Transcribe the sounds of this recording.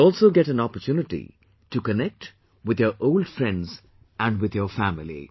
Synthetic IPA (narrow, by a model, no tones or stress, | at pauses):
ɔːlˠsoʊɡɛʈæ̃nɔpəɾtjunɪʈḭ | ʈukənɛk̚ʈ | wɪd̪jəʔoːlɖfɾɛ̃nɖz | æ̃ɳɖwɪd̪jəfæmɪlḭ